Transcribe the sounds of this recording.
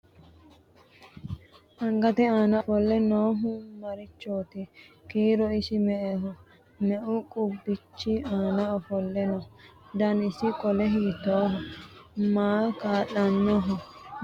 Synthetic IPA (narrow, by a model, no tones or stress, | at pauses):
ʔɐŋɡɐt̪ɪaːnɐfɔlːɛnoːɦʊmɐɾɪt͡ʃːoːt̪ɪ | kiːɾɔɪsɪmɛʔɛɦɔ | mɛʔʊkʼʊbːɪt͡ʃːɪaːnɐɔfɔlːɛnɔd̪ɐnɪsɪkʼɔlɛɦiːt̪ːoːɦɔmaːkaːʔːɐnːɔɦɔ